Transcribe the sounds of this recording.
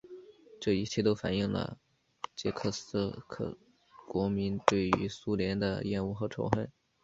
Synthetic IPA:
ʈ͡ʂɤ˥˩i˧˥t͡ɕʰjɛ˥˩t̪o˥ʊfa˨˩ni˥˩ŋlə̰˩ | t͡ɕjɛ˧˥kʰɤ˥˩sɹ̩˥˩kʰɤ̰˥˩ | kwɔ˧˥mi˧˥nt̪we˥˩ɪy̰˧˥su˥ljɛ˧˥nd̪ə̰˧jɛ˥˧nu˥˩xɤ˧˥ʈ͡ʂʰo̰˧˥ʊxə˥˩ɪ

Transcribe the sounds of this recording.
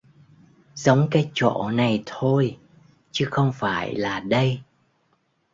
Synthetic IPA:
zə˨˦wŋ͡mkaː˨˦jt͡ɕo̰˧˩˨na˨˩jt̪ʰo˧j | t͡ɕɨ˨˦xə˧wŋ͡mfaː˧˩jlaː˨˩ɗə˧j

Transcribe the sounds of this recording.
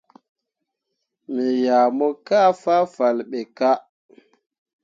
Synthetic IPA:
mi˨ja˨mo˦ka˦fa˦fa˨lɓe˨ka˦

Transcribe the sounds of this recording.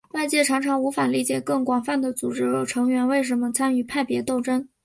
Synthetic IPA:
wa˥˧ɪt͡ɕjɛ˥˩ʈ͡ʂʰɑ˧˥ŋʈ͡ʂʰɑ˧˥ŋu˧˥fa˨˩li˥˩t͡ɕjɛ˨˩kɤ˥˩ŋkwa˨˩nfa˥˩nd̪ə˩t͡su˨˩ʈ͡ʂɻ̩˥jo˨˩ʈ͡ʂʰɤ˧˥ŋɥɛ˧˥nwe˥˩ɪʂ̬ə˧˥mə˧t͡sʰa˥ny˥˩pʰa˥˩ɪpjɛ˧˥t̪o˥˩ʊʈ͡ʂə˥n

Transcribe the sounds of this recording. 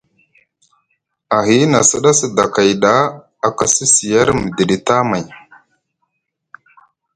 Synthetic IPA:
a˨ɦi˦na˨sə˦ɗa˦sə˦da˨ka˨jɗa˦ | a˨ka˦si˦si˨ja˦ɾmə˨də˨ɗi˨ta˦ma˨j

